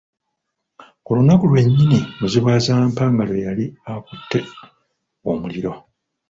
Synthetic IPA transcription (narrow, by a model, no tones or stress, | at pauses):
kolunakulwe̞ɲːinimuziβwaːzaːmpaːŋɡalo̞jaliakutʰːe̞ | omuliɾo̞